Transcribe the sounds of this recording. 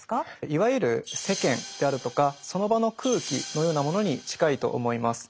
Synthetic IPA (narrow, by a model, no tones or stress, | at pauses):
kaiβajɯ̟ɾɯ̟se̞kẽ̞nd̪̥e̞aɾɯ̟t̪o̞kaso̞no̞bano̞kʰɯ̟ːkʲḭno̞jo̞ːnamo̞no̞ɲ̟it͡ɕi̥kait̪o̞̰ʔːmo̞imasɨ̥